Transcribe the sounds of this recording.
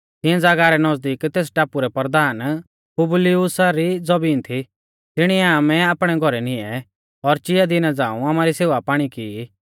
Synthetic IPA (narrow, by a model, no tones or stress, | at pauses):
t̪ɪ̃ɛ̃d͡zaːɡaːɾɛnɔzd̪iːkt̪eːs̬ʈaːpuɾɛpɾd̪aːn | pʊblɪʊsaɾid͡zɔbiːnt̪ʰi | t̪ɪɽ̃iɛaːmɛaːpɽ̃ɛɡʱɔɾɛnɪ̃ɛ | ɔɾt͡ʃɪjad̪ɪnad͡zãːũaːmaːɾiseːʋapaːɽ̃ikii